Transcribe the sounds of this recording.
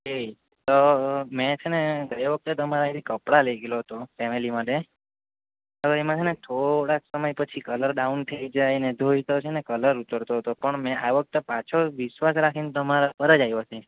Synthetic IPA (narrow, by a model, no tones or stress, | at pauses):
ɦe | t̪omet͡ʃʰeneɡʱəɾʋək̚t̪et̪əmaɾait̪ʰikəpɽalejɡeloɦət̪ofɛmilimãɖe | oʋemãt͡ʃʰenet̪ʰoɽaksəməjpət͡ʃʰikələɾɖaunt̪ʰəid͡ʒajned̪ʱoit̪ot͡ʃʰenekələɾut̪əɾt̪oɦət̪opəɳmɛ̃ʔaʋək̚t̪epat͡ʃʰoʋiʃʋasɾakʰinet̪əmaɾapəɾəd͡ʒajot̪ʰe